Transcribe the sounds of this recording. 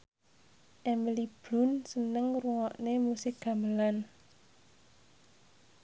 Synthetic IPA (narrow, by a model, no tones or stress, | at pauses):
ʔɛməlib̥lʊ̤nsənəŋruŋɔʔnemusɪk̚ɡ̥a̤məlan